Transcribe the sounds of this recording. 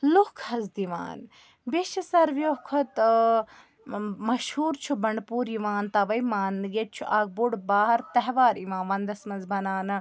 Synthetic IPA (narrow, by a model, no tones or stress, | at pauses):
luhkʰɐzd̪iʋa̰ːn | biʃɐsɐɾʋjoɦkʰot̪ | mɐʃhuːɾt͡ʃʰubɐɳɖpuːɾiʋaːnt̪ɐʋɐjmaːnɡet̪̚t͡ʃʰuʔaːɡ̚buɽbaːɦɐɾt̪ɐɦʋaːɾiʋãːnʋɐnd̪ɐsmɐnzbɐnaːnɐ